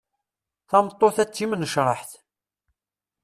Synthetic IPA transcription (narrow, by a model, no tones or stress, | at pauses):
θɑmt̪ˤːoθæt͡sːimnəʃɾˤɑħθ